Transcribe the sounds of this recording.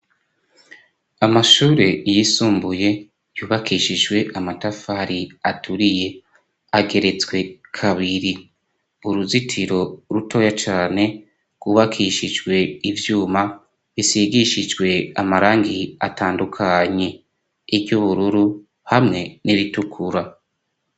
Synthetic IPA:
amaʃuːɾe̞jisuːmbuje̞ | juːβakʰiʃid͡ʒwe̞ʔamatafaɾiatʰuɾije̞ | aɡe̞ɾe̞t͡sɡwe̞kʰaβiɾi | uɾuzitʰiɾo̞ɾutʰo̞ːjat͡ʃaːne̞ | ɡ̥wuːβakʰiʃid͡ʒɡwe̞ivjuːma | βisiɡiʃid͡ʒɡwe̞amaɾaːŋɡiataːndukʰaɲe̞ | iɾjuβuɾuɾu | hamŋe̞niɾitukʰuɾa

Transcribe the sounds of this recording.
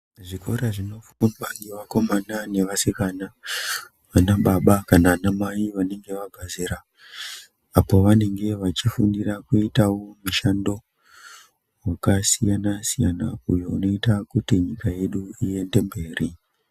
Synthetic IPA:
ʐikʰo̞ɾaʐino̞fu̥kunwaŋɡiʋako̞manane̞ʋasikana | ʋanaɓaɓakanaanamaiʋane̞ŋɡe̞ʋaɡʱazeɾa | po̞ʋane̞ŋɡe̞ʋat͡ʃifundirakuitawomiʃando̞ | wakasijanasijana̰ujo̞uno̞itakutiɲikaje̞ɗuije̞nde̞mbe̞ːri

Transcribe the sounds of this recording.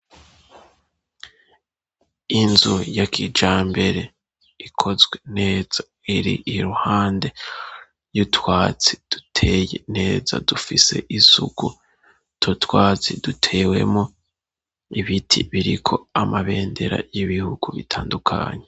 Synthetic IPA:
inzujakʰid͡ʒaːmbe̞ɾe̞ | ikʰo̞zɡwe̞ne̞ːz̥a | iɾḭiɾuhaːnde̞ | jutwaːt͡si̥d̥u̥tʰeːjene̞ːza̰dufise̞̰ʔisṵɡu | tʰotwaːt͡sidutʰe̞ːwe̞̰mo | iβitʰḭβiɾikʰo̞amaβe̞ːnde̞ɾa̰jiβihuɡuβitʰaːndukʰa̰ːɲe

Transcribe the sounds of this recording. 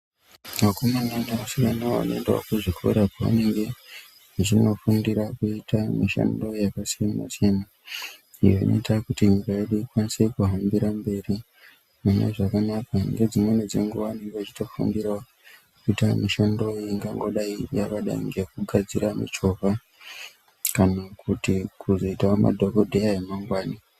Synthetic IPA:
makumananaasikanaa̰noendawo̰kuʐikʰo̰ɾapaʋa̰ne̞ŋɡe̞ | t͡ʃino̞fundiɾakuitamiʃa̰ndo̞jakasiamma̰sijama | ijoḭno̰itakutimikajeɗuikwanise̞kuɦambiɾambe̞ːri | mumḛʐakanakaŋɡe̞d͡zimwened͡zḛŋɡuwaniɡot͡ʃi̥to̞fṵndira | kuitamiʃando̞iŋɡaŋɡo̞ɗaijakaɗa̰ḭŋɡe̞kuɡʱad͡ziɾamḭt͡ʃo̞pa | kanakutikuzo̞itaoma̰dʱo̞ko̞dʱejaemaŋɡwaːni

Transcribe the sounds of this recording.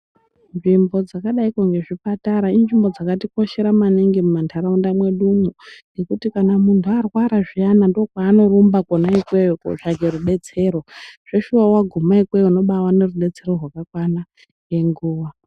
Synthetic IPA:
nʐimbo̞d͡zakaɗaikoŋɡe̞ʐipataɾainʐimbo̞d͡zakatiko̞ʃe̞ɾamaniŋɡimumantʰaɾaundamwe̞ɗumunekutikanamuntʰuarwaɾaʐijanando̞kwaːno̞rumbakonaikwejoko̰ʐakeɾuɓe̞t͡se̞ɾo̞ʐ̥e̞ʃuwawaɡʱumaikwejuno̞ɓawane̞ruɗe̞t͡se̞ɾo̞rwakakwana | ŋɡe̞ŋɡuːʋa

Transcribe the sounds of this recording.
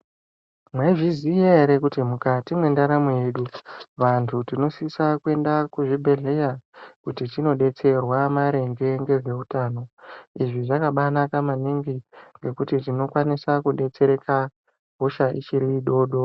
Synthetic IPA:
mweʐizijeɾekutimukatimwe̞ndaɾamoeːɗuʋantʰutino̞sisakwe̞ndakuʐibʱe̞ɮe̞jakutitino̞ɗe̞t͡se̞rwamaɾe̞ŋɡe̞ŋɡe̞ʐe̞utaːno̞iʐiʐakaɓanakamaniŋɡiŋɡe̞kutitino̞kwanisakuɗe̞t͡se̞ɾe̞kʰa | ɡʱoʃaʔḭt͡ʃiɾiːɗo̞ːɗo̞

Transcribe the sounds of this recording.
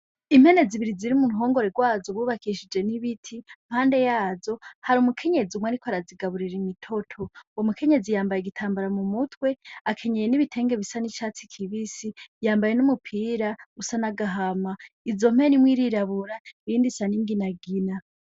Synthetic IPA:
im̥he̞ne̞ziβiɾiziɾimunɦo̞ːŋɡo̞ɾeɡwaːzoβuβakʰiʃid͡ʒe̞niβitʰim̥haːnde̞jaːzo̞haɾumukʰe̞ɲe̞d͡ziumwaɾikʰoaɾaziɡaβuɾiɾimitʰo̞tʰo̞omukʰe̞ɲe̞d͡zijaːmbajeɡitʰaːmbaɾamumutʰwe̞akʰe̞ɲejeniβitʰe̞ːŋɡe̞βisanit͡ʃaːt͡sikʰiβisijaːmbaje̞numupʰiːɾausanaɡaɦama | izo̞m̥e̞nimwiːɾiɾaβuɾaiːndisaniŋɡinaɡina

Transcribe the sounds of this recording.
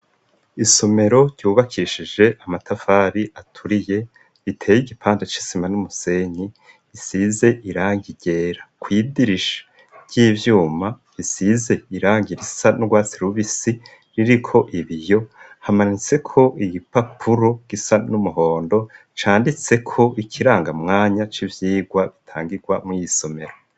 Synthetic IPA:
iso̞me̞ɾo̞ɾɟuːβakʰiʃid͡ʒe̞ʔamatʰafaːɾiatʰuɾije̞ | itʰe̞ːjiɡipʰaːndet͡ʃi̥simanumuse̞ɲi | isize̞ʔiɾaːŋɡiɟe̞ːɾakwiːdiɾiʃḁ | v̥ɟ̥iːvjuːma | βisize̞iɾaːŋɟiɾisanuɡwaːt͡siɾuβisi | ɾiɾikʰo̞ʔiβijo̞ | hamaɲit͡se̞kʰo̞ʔiɡipapʰuɾo̞ɡ̥isanumuɦo̞ːndo̞ | t͡ʃaːndit͡se̞kʰo̞ikʰiɾaːŋɡamŋaːɲat͡ʃivjiːɡwaβitʰaːŋɡiɡwamŋijiso̞me̞ɾo

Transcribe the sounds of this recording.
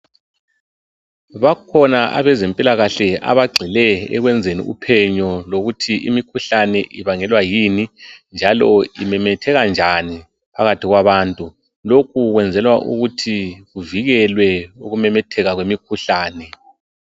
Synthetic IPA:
βakʰɔnaʔa̰βɛzempʼilaɣaɬɛa̰βaɡ͡ǀʱilɛɛ̰ɣwɛnd͡zʱenḭʔupʰɛɲɔloɣutʰiʔimikʰuɬanɛʔiβaŋɛlwajinind͡ʒʱalɔimɛmɛtʰɛɣand͡ʒʱani | pʰaɣatʰiɣwaβaːntʼu | lokʰuɣwɛnd͡zʱɛlwaʔṵɣutʰiɣuviɣɛlwɛuɣumɛmɛtʰɛɣaɣwemikʰuɬaːnɛ

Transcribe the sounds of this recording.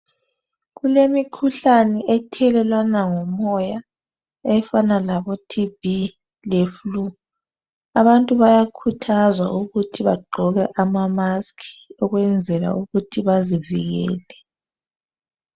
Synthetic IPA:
ɣulemikʰuɬanɛʔɛtʰɛlɛlwanaŋɔmɔja | ɛfanalaβɔtʰib̥i | leflu | aβantʼuβajakʰutʰazwa̰ʔuɣutʰiβaɡ͡ǃʱɔɣɛʔamamaskʰi̥ɔɣwɛnd͡zʱɛla̰uɣutʰiβazivḭɣɛ̰ːlɛ

